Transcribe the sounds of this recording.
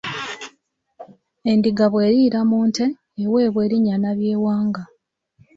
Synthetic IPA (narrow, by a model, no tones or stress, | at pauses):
e̞ndiɡaβwe̞ːɾiːɾamuːnte̞ː | we̞ːβwe̞ːɾiɲanaβjeːwaːŋɡa